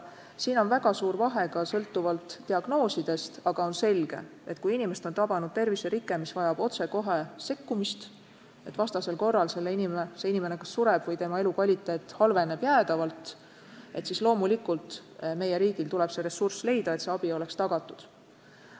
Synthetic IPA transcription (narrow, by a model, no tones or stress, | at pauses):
siːno̞nvæɡ̥ɑsuːɾvɑɦe̞ɡ̥ɑsɤlt̪ːuvɑlt̪ːiɑɡ̥no̞ːsid̪̥e̞st̪ɑɡ̥ɑo̞nse̞lɡ̥e̞̰e̞t̪kujinimeset̪o̞nt̪ɑbɑnud̪̥̚t̪e̞rviseɾikːˑe̞misvɑjɑb̥o̞t̪se̞ko̞ɦese̞kːumist̪ | e̞t̪ːˑvɑst̪ɑse̞lko̞rːɑlse̞lːeinimseinimenekɑsːuɾeb̥vɤjt̪e̞mɑe̞lukvɑlʲit̪ːˑeːt̪ːˑhɑlve̞ne̞b̥jæːd̪̥ɑvɑlt̪ˑ | ʔe̞t̪sislo̞ːmulikult̪ˑme̞jːe̞ɾiːɡ̥ilt̪ulɛb̥se̞ɾe̞sːursle̞jd̪ɑe̞t̪se̞ɑb̥io̞le̞kst̪ɑɡ̥ɑt̪ːˑud̪̥